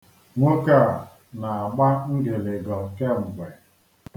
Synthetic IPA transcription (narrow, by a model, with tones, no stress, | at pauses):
ŋʷo˦ka˦˨a˨ | na˨a˨ɡ͡ba˦ŋ̩˦ɡe˨le˨ɡɔ˨ke˦˨ŋ͡m̩˨ɡ͡be˨